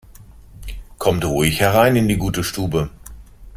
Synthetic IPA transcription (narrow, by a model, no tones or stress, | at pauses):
kʰɔmtʁuɪçhɛʁaɪnɪndiːɡuːtəʃtuːbə